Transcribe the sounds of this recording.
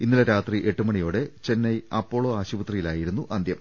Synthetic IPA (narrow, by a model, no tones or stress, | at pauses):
inːilɐɾaːt̪riʔeʈːumɐɳijo̞ːɽe̞t͡ɕe̞nːɐjɐpːo̞ːɭoːaːɕubɐt̪rijilaːjiɾunːuʔɐnd̪ʱjɐm